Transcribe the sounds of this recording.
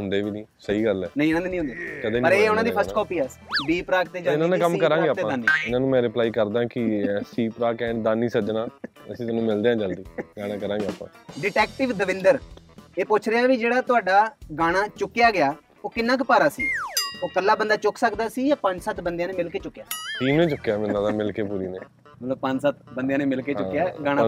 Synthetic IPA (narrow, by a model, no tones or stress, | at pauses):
ɦʊnd̪eːʋiːnĩːsəiːɡəlɛːnəĩnãːd̪eːnĩɦʊ̃nd̪eːkəd̪eːpəɾeːʊnãːd̪ipʰəsʈkɔːpiːaː | biːpɾaːk̚t̪eːd͡ʒəlnãːnẽːkəmkəɾãːɡeːat̪eːãd̪aːnːiːɪnãːnũːmɛ̃ːɾɪplaːiːkəɾd̪ãːkɪsiːpɾaːkɛ̃ːd̪aːniːsəd͡ʒnãː | ə̰sĩːt̪ənũːmɪld̪eːãːd͡ʒəld̪iːɡaːɽ̃ãːkəɾãːɡeːaːpːã̰ːɖɪʈɛːkʈɪʋd̪əʋɪnd̪əɾeːpʊt͡ʃʰɾeːãːʋiːd͡ʒeːɽaːt̪ʊaːɖaːɡaːɽ̃aːt͡ʃʊkːɪjaːɡɪaː | oːkɪnːãːkɪpaːɾaːsḭːoːkəlːaːbənd̪aːt͡ʃʊkʰsəkd̪aːsiːjãːpə̃ɲd͡ʒsət̪ʰbənd̪eãːneːmɪlkeːt͡ʃʊkːjaːʈiːmnẽːt͡ʃʊkːjaːmɪnnãːnamɪlkeːpuːɾiːnḛː | məloːbpə̃ɲd͡ʒsət̪̚ʰbənd̪ejãːneːmɪlkeːt͡ʃʊkːjaːɡaːɽ̃a